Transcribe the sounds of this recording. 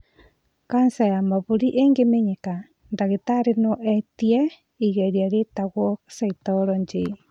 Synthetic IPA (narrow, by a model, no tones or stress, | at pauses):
kansajamaβuɾiʔeŋɡemeɲeka | ndaɣetaɾenɔʔɛtiɛ | iɣaɾiaɾetaɣɔsaitɔɾɔɲd͡ʒe